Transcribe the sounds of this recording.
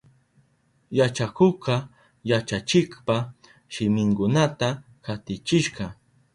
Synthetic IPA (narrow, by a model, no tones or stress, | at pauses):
jat͡ʃakoqɑ | jat͡ʃat͡ʃɪkpa | ʃɪmɪŋkʊnat̪a | kat̪ɪt͡ʃɪʃɢɑ